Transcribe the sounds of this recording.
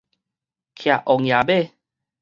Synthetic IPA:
kʰja˨ʔɔ˨ŋja˨be˦˨

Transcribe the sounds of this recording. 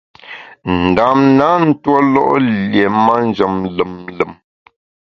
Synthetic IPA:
n̩˨da˨mna˨˦n̩˦twɔ˦lɔ̰˦ʔlje˨ma˦n˦d͡ʒə˨mlə˨mlə˨m

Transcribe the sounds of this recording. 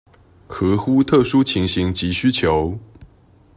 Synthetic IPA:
kʰɤ˧˥˦xu˦˥t̪ʰɤ˥˨ʂu˥t͡ɕʰi˨˥ŋɕi˨˧˥ŋt͡ɕi˨˥ɕy˥t͡ɕʰjo˨˧˦ʊ

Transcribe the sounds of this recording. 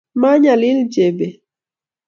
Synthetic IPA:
ma˦ɲa˨li˦ld͡ʒe˨be˨

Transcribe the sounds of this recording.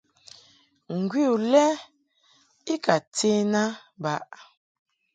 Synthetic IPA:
ŋ̩˨ɡwi˦u˨lɛ˦ | i˦ka˨te˦na˦ba˦ʔ

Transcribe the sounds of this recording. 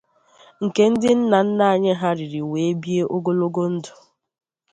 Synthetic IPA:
ŋ̩˨ke˦n̩˦dɪ˦n̩˦na˨n̩˦na˦a˨ɲɪ˦ɦa˦ɾɪ˨ɾi˨we˨e˦bi˦e˦ʔo˦ɡo˦lo˦ɡo˦n̩˦dʊ˨

